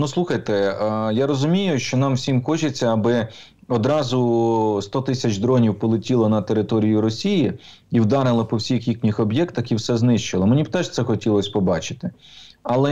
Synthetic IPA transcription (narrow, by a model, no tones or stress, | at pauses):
nuslˠuxɐjt̪ɛjaɾɔzʊmʲijʊʃt͡ʃɔnɑmwsʲimxɔt͡ʃɪt͡sʲːɐːbɪ | ɔd̪ɾɑzʊst̪ɔt̪ɪsʲɐt͡ʃd̪ɾɔnʲiwpɔlˠetʲilˠɐnɐt̪eɾɪt̪ɔɾʲijʊɾɔsʲiji | iwd̪ɑɾɪlˠɐpɔwsʲixjiknʲixɔbjɛkt̪ɐxiwsɛznɪʃt͡ʃɪlˠɐmenʲib̚t̪ɛʒt̪sɛxɔtʲilˠɔsʲpɔbɑt͡ʃɪ̥t̪ɪɐlˠɛ